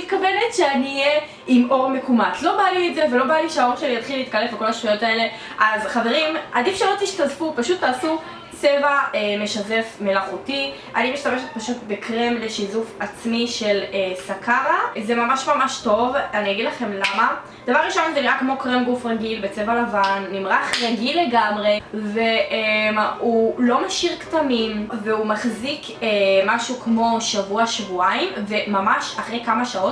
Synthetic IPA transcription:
it̚kave̞netʃeaniːje | imo̞ʁme̞kumatlo̞balietzevelo̞baliʃeao̞ʁʃelijat̪χileiːt̪̚kalefbeko̞laʃtujo̞tae̞le̞ | ʔazχaveʁimʔadifʃelotiʃtazfupaʃut̪ːaːsu | t͡se̞vaemeʃaze̞fme̞laχuti | ʔa̰nimiʃt̪ameʃet̪̚paʃutbekʁemleʃizufat͡smiʃe̞lesakʰaʁazemamaʃmamaʃto̞vaniaɡid̪laχe̞mlama | d̥avaʁːiʃo̞nzeniʁakmo̞kʁemɡufʁaɡilbet͡sevalavanːimʁaχʁaɡilːe̞ɡamʁe̞veʔemulo̞maʃiʁktamimveumaχzik | emaʃukmo̞ʃavuaʃvuaimve̞mamaʃaχʁejkamaʃao̞t

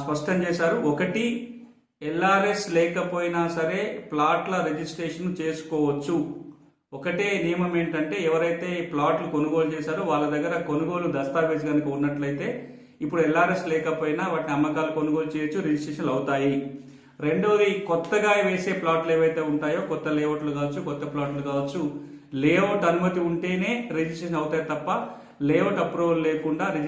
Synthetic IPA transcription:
spɐʂʈɐmt͡ʃɛːʃaːɾuɔkɐʈi | ɛlːaːɾe̞slɛːkɐpoːjinaːsɐɾe̞ːplaːʈlɐɾed͡ʒisʈɾeːʂɐnːut͡ʃe̞ːsu̥kɔːʋɐt͡ʃːu | ɔkɐʈeːnijɐmɐme̞ːɳʈɐɳʈe̞ːɛʋɐɾɐjt̪e̞ːplaːʈlukonuɡoːlut͡ʃɛːʃaːɾoːʋaːɭːɐd̪ɐɡːɐɾɐkonuɡo̞ːlud̪ɐst̪aːpeːs̬iɡɐnɐkɐunːɐʈlɐjt̪e̞ː | ipːuɽuɛlːaːɾeslɛːkɐpoːjinaʋaːʈniɐmːɐkaːlukonuɡo̞ːlut͡ʃeːt͡ʃuɾed͡ʒisʈɾeːʂɐnlɐwt̪aːji | ɾe̞ɳɖo̞ːd̪ikɔt̪ːɐɡaːjɐʋe̞ːse̞ːplaːʈleːʋɐjt̪e̞ːuɳʈaːjo̞ːkɔt̪ːɐleːoʈlukaːʋɐt͡ʃːukɔt̪ːɐplaːʈlukaːʋɐt͡ʃːuleːoʈɐnumɐt̪iuɳʈe̞ːne̞ːɾed͡ʒisʈɾeːʃɐnɐwut̪aːjit̪ɐpːɐ | leːʋoʈɐpɾoːleːkuɳɖaːɾe

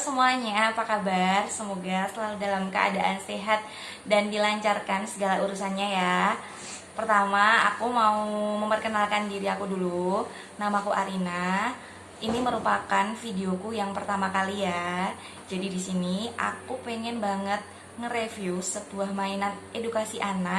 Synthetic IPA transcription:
səmuaɲaːpakabarsəmoɡasəlaludalamkəʔa̰daʔanseɦat̪̚ | dandilaɲt͡ʃarkansəɡalauɾusanɲaja | pərt̪amaa̰kumauməmpərkənalkandiɾiakudulu | namakuʔaɾina | iniməɾupakanfideokujaŋpərt̪amakalija | d͡ʒadidisiniʔa̰kupeŋɛnbaŋət̪̚ | ŋəɾefjusəbuahmainat̪̚edukasiʔana

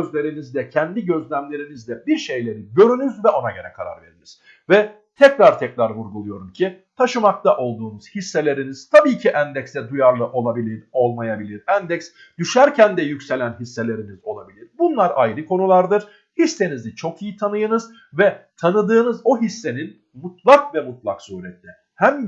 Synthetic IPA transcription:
øzlʲe̞ɾinizd̪ɛcʰɛnd̪iɟø̞zlʲæmlʲe̞ɾinizd̪ɛbiɾʃe̞jlʲe̞ɾiɟø̞ɾynyzvɛʔo̞naɟø̞ɾɛ̰kʰaɾa̰ɾve̞̰ɾiniz̥ | vɛ | t̪ʰɛcɾaɾt̪ʰɛcɾaɾvuɾɡulˠujo̞ɾumcʰit̪ʰaʃɯmak̚t̪ʰaʔo̞lˠd̪uːnuz̥hisːe̞lʲe̞ɾiniz̥t̪ʰabiːcʰiʔænd̪ɛcst̪ɛd̪ujaɾlˠɯʔo̞lˠabilʲiɾo̞lˠmajabilʲiɾænd̪ɛcs | d̪yʃæɾcʰænd̪ɛjycse̞lʲænɦisːe̞lʲe̞ɾinizo̞lˠa̰bilʲiɾbunlˠaɾa̰jɾɯkʰo̞nulˠaɾd̪ɯɾ̥ | hisːe̞nizit͡ʃʰo̞kʰijit̪ʰanɯjɯnɯz̥ | vɛt̪ʰanɯd̪ɯːnɯzoɦisːe̞nin | mut̪ʰlˠakvɛmut̪̚lˠaksuhɾɛt̪lʲɛ | hæm

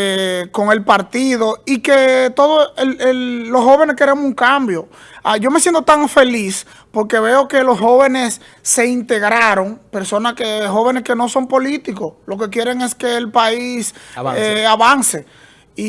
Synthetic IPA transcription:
eko̞ŋe̞lpaɾt̪iðo̞ike̞t̪o̞ðoelelːo̞sho̞βe̞ne̞ske̞ɾemosuŋkambjo̞ | aʝo̞mesjent̪ot̪aŋfe̞lis | po̞ɾke̞βe̞o̞ke̞lo̞sho̞βe̞ne̞sː | e̞int̪e̞ɣɾaɾo̞ŋpe̞ɾso̞naskeɦo̞βe̞ne̞ske̞no̞so̞mpo̞lit̪iko̞lo̞ke̞k̬je̞ɾe̞ŋe̞ske̞ːlpaiseaβanse̞ | i

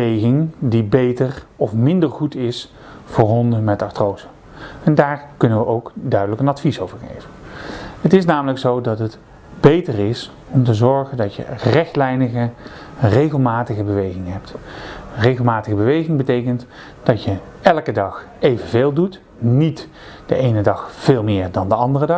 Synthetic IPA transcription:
əejɣɪŋdibejtərɔfmɪndəɹχutɪs | fʊːɹɦɔndəmɛtɑtrowzə | ɛndaːɹkɵnənʋəʔowkdœɥdələkənɑtfisowvəɹχḛjvəɦətɪsnaːmələksowdɑtɦət | b̥ejtərɪs | ɔmtəzɔɹχəndɑtjə̰rɛχtlɛjnəɣərejɣəlˠmaːtəɣəbəʋejχɪŋɦɛptrejɣəlˠmaːtəɣəbəʋejχɪŋbətejkənt | d̥ɑtjə | ɛlˠkədɑχ | ejvənveːlˠdut | nit | d̥ə̰ʔejnədɑχv̥eːlˠmɪːɹdɑndəɑndərədɑ

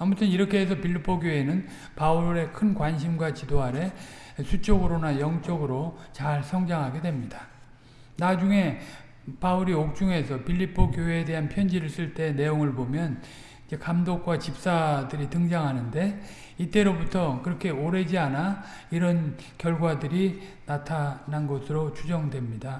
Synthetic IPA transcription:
amutʰɯniɾʌkʰe̞ɦesʰʌpiʎːipʰoɡjoɦe̞nɯn | pauɾe̞kʰɯnkwanɕ̬ʰimɡwat͡ɕidoɦaɾe̞ | sʰut͡ɕ͈oɡɯɾonajʌŋt͡ɕ͈ʌɡɯɾot͡ɕaɭsʰʌŋd͡ʑaŋɦaɡe̞dwe̞mɲidḁ | nad͡ʑuŋe̞ | pauɾiok̚t͡ɕ͈uŋe̞sʰʌpiʎːipʰokjoɦeːde̞ɦanpʰjʌnd͡ʑiɾɯɭs͈uɭt͈e̞ne̞joŋɯɭbomjʌn | id͡ʑe̞kamdok̚k͈wat͡ɕip̚s͈adɯɾitɯŋd͡ʑaŋɦanɯnde̞ | it͈e̞ɾobutʰʌkɯɾʌkʰe̞oɾe̞d͡ʑiana | iɾʌn | kjʌɭɡwadɯɾinatʰananɡʌsʰɯɾot͡ɕud͡ʑʌŋdwe̞mɲida

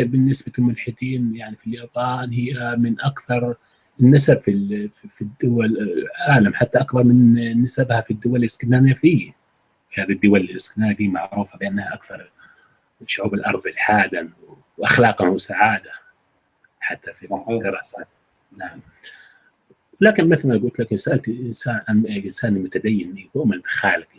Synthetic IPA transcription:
bɪnːɪsbalmʊlħɪd̪iːnjaʕnifiljaːbaːnhɪjːamɪnʔakθɑɾˤ | ɪnːasabfifid̪ːʊwalʕʕaːlamħat̪ːaʔakbɑɾˤmɪnːasabhafid̪ːʊwalːɪskɪd̪naːnafiː | fihaːðid̪ːʊwalliɪskɪd̪naːnad̪iːmaʕɾuːfabɪʔanːhaʔakθɑɾˤ | ʃʊʕuːbɪlʔɑ̰ɾˤðˤɪlħaːd̪anw | ʔaxlɑːqawsaʕaːd̪a | ħat̪ːafid̪ɪɾˤɑːsa | naʕam | wɪlaːkɪnmɪθlmaɡʊlt̪lakɪsaʔalt̪ɪsaːʕanʔɪsaːnimʊt̪ad̪ajːɪnnibʊʔmɪlt̪xaːlɪqi

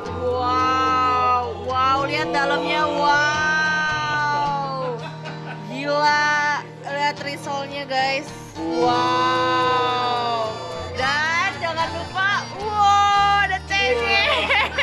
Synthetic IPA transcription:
wa | wwawliat̪̚dalamɲawa | w | d͡ʒila | liat̪ɾisɔlɲaɡajs | wa | wdand͡ʒaŋanlupa | wadat͡ʃeŋɛ

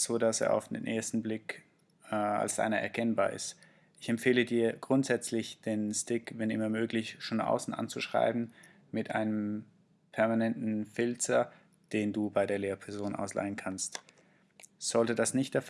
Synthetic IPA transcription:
z̥oːdasḛːɐa̰ʊfd̥ḛːnʔḛːɐstn̩blɪkː | a̰lsd̥a̰ɪnɐʔɛ̰ɐkʰɛnbaːɐɪ̰st | ʔɪçɛmfeːlədiːɐɡ̥ʁʊntz̥ɛt͡slɪçd̥eːnstɪkvɛnɪ̰mɐmøːklɪçʃoːnʔa̰ʊsn̩ʔa̰nt͡suʃʁ̥a̰ɪbm̩ | mɪtʔa̰ɪnəm | pʰɛɐmanɛntn̩fɪltɐ | d̥eːnduːbaɪɾeːɐleːɐpʰɛɐzoːnʔa̰ʊsla̰ɪənkʰanst | z̥ɔltədasnɪçt̚d̥ɛf

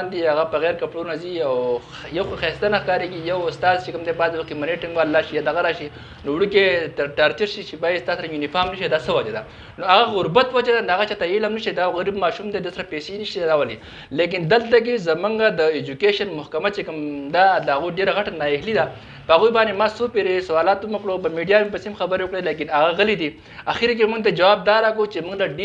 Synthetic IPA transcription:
nd̪iaɣapəɣɛːɾkɐpʈuɾunaziaw | jɐwxoxɛst̪anaxkaːɾeɡijɐwʊst̪aːzt͡ʃekəmd̪ebaːzwɐkimɐneʈɪŋɡwaːlːaːʃijaːd̪ɐɣaɾaːʃi | nowɽukeʈaɾt͡ʃəɾʃit͡ʃebaːjist̪aːsɐɾajunifaːɾmnɐʃied̪asəwɐd͡ʒad̪a | noaɣaɣʊɾbat̪wad͡ʒad̪anaɣat͡ʃat̪ailɐmnɐʃed̪aɣaɾibmaːʃumd̪ed̪əsɐɾapesenəʃɾawɐli | lek̬ind̪əlt̪ak̬ezɐmuŋɡad̪əed͡ʒukeʃɐnmʊhkɐmat͡ʃekəmd̪ad̪əaɣuɖeɾaɣaʈanaeɦlid̪a | pəaɣujbaːnemaːsupeɾesɐwaːlaːt̪umɐkɽopəmiɖijamepəsemxɐbəɾewokɽelek̬inaɣaɣəlid̪i | axiɾk̬emuŋɡt̪̬ad͡ʒɐwaːb̚d̪aːɾakot͡ʃemuŋɡlaɖ

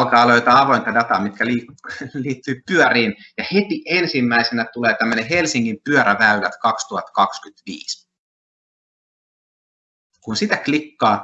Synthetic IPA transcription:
lkɑːɑloit̪ɑɑʋo̞int̪ɑdɑt̪ɑːmit̪kæliːliːt̪ːyːpyœɾiːnjɑhe̞t̪iʔensimːæisenæt̪uleːt̪æmːøneɦe̞lsiŋːimpyøɾæʋæylæt̪kɑkst̪uɑt̪kɑkskyt̪ʋḭːs | kunsit̪æklikːɑː

